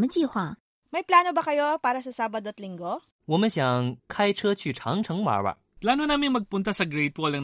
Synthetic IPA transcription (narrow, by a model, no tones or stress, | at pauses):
mɐt͡ʃiːhwa | mɐjplaːnobɐkɐjo̞paːɾɐsɐsaːbɐd̪oɐt̪lɪŋɡo | wɔːmɐnɕjɐŋkʰajt͡ʃʰət͡ʃʰyt͡ʃʰɑŋt͡ʃʰɐŋwa̰bɐ̰ | plaːnonaːmɪŋmɐɡ̚pʊnt̪ɐsɐɡɾejt̪̚polnɐŋ